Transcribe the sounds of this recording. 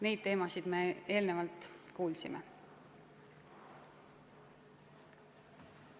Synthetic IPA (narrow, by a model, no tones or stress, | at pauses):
ne̞jd̥̪̚t̪e̞ːmɑsid̪̥mee̞ːlnevɑlt̪ˑkuːlsime